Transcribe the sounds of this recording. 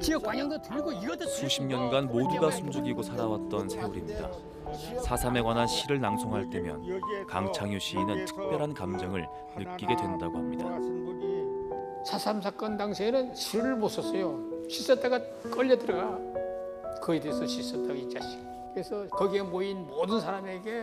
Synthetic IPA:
t͡ɕiʌkaɲaŋdotɯɭɡosuɕʰimɲʌnɡanmoduɡasʰumd͡ʑuɡiɡosʰaɾawat̚t͈ʌnsʰe̞uɾimɲida̰ | sʰasʰame̞ɡwanɦanɕʰiɾɯɭnaŋsʰoŋɦaɭt͈e̞mjʌ̰nka̰ŋt͡ɕʰaŋjuɕ͈ʰiːnɯntʰɯ̥k̚p͈jʌɾɦankamd͡ʑʌŋɯɭ | nɯk͈iɡe̞dwe̞ndaɡohamɲidai | sʰasʰamsʰak͈ʌndaŋsʰenɯnɕʰiɾɯɭmos͈ʰʌs͈ʌjoɕʰis͈ʌt͈ʼaɡa | k͈ʌʎːʌdɯɾʌɡa | kɯedeesʰʌɕʰis͈ʌt͈aɡait͡ɕ͈aɕi̥ | kɯesʰʌkɯɡe̞moinmodɯnsʰaɾame̞ɡe̞

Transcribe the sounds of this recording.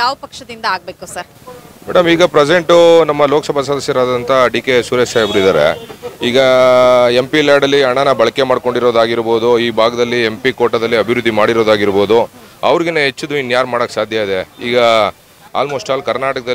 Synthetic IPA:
jaːʋɐpɐkʂɐd̪ind̪ɐaːɡ̚beːkusɐɾ | mɛːɽɐmiːɡɐpɾese̞ɳʈunɐmːɐloːkɐsɐbʱasɐd̪ɐsjɐɾaːd̪ɐnt̪ʰɐɖiːkesuːɾesajɐbɐɾid̪aːɾe̞̰iːɡɐ | e̞mpiljaːɾɽɐlːiɐɳɐnɐbɐɭɐke̞maːɽko̞ɳɖiɾo̞ːd̪aːɡiɾbo̞ːd̪uiːbʱaːɡɐd̪ɐlːie̞mpiko̞ːʈɐd̪ɐlːiɐbʱiɾud̪ʱːimaːɽiɾoːd̪aːɡiɾbo̞ːd̪u | ɐ̰ʋɾiɡeneɦet͡ʃːud̪uinːjaːɾmaːɽokːesaːd̪ʱjɐid̪e̞iːɡɐ | a̰ːlmoːsʈaːlkɐɾnaːʈɐkɐd̪ɐ

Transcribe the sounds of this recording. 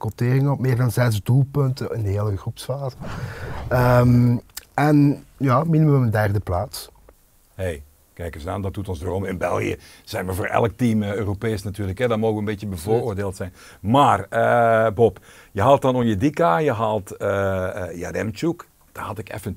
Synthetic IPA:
kɔteːrɪŋəɔpmeːrdɑnzɛtzdulˠpɵntəɪndəɦeːləɣrupsfaːzə | əmɛnjaːminiməməndɛrdəplaːts | hej | kɛjkəza̰ːndɑt̚dutɔnzdərɔmɪnbɛ̰lˠɣḭjə̰ | z̥ɛjnʋəvoːrʔɛ̰lək̚timøːropeːsnatyːrləkɦɛdɑtmoːɣəʋənbetjəbəvoːoːrdeːlˠtsɛjn | maːrəbɔpjəɦaːlˠt̚ɑnɔxjədikajəɦaːlˠtəja̰rɛmt͡ʃuk | d̥aːhɑtɪkɛ̰fən

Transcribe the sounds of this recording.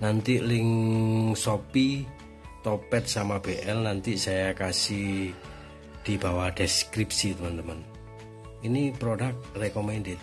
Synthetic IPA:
nant̪ilɪŋsopi | t̪opɛt̪̚samab̥eʔɛlnant̪isajakasi | d̪̥i̤b̥a̤waɖ̥ɛskɾip̚sit̪əmənt̪əmən | inipɾoɖak̚t̪rekomɛnɖet̪

